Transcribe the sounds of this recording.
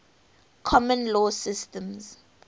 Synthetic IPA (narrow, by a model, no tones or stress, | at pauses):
kʰɔmɔ̃nlɔsɪstɛ̃mz